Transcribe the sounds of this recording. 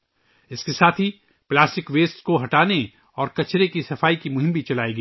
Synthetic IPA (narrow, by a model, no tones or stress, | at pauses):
ɪskesaːt̪ʰi | plaːsʈɪkʋeːsʈkoɦɐʈaːne | ɔːɾkɐt͡ʃɾekisɐfaːikimʊɦɪ̃mbʱit͡ʃɐlaːeɡiː